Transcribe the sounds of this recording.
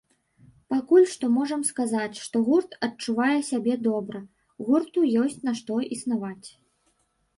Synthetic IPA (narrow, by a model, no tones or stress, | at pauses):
pakulʲʂt̪ɔmɔʐɐmskazat͡sʲʂt̪ɔɣurt̪ɐt͡ʂuvajɛsʲabʲɛd̪ɔbɾɐ | ɣurt̪ujɔsʲt͡sʲnaʂt̪ɔisnavat͡sʲ